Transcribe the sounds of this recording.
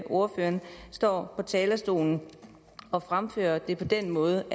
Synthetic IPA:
ʔo̝ɐføːɐnsd̥ɒ̰ːpʰɒ̽t͡sʰɛːlɐsd̥o̝̰ːln̩ | ɒ̽fʁamfø̰ːɐd̥e̝pʰɒ̽d̥en̰mɔ̽ːð̞̩ˠə

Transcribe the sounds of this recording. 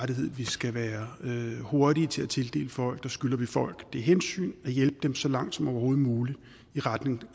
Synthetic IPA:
ɾiɦe̝ð̰ˠʋisɡ̥æʋæːɐøho̝ɐɾiət͡sʰe̝læt͡sʰe̝ld̥e̝̰ːləfɒ̽l̰ɡ̥̚d̥ɑ̈sɡ̥ylɐʋifɒ̽l̰ɡ̥d̥e̝ɦensy̰ːnæjelb̥əd̥emsɒ̽lɑ̈ŋ̰d̥sɒ̽mɒʊɐho̝ːð̩ˠmuːli̥ | iʁad̥ne̝ŋ

